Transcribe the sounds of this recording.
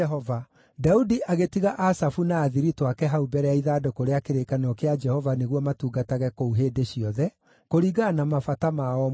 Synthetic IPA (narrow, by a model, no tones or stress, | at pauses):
ɛɦɔva | daudiʔaɣetiɣaʔasafunaːðiɾitwakɛɦaubɛɾɛaiðaːdokoɾeakeɾekanɔkead͡ʒɛhɔvaneɣwɔmatuːɡataɣɛkouɦeːdeʃiɔðɛ | koɾiɡanamafatamaɔ